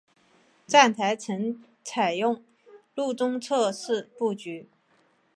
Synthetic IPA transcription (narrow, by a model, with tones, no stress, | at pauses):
t͡sa˥˩nt̪ʰa˧˥ɪt͡sʰə˧˥ŋ | t͡sʰa˨˩ɪjʊ˥˩ŋ | lu˥˩t͡sʊ˥ŋt͡sʰɤ˥˧ʂɻ̩˥˧pu˥˩t͡ɕy˧˥